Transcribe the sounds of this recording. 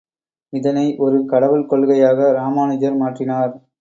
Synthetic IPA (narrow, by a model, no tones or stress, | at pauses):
ɪðɐnɐɪʔɔɾɯkɐɽɐʋɯlkɔɭɣɐjaːɣɐɾaːmaːnɪd͡ʒɐɾmaːʈrɪnaːɾ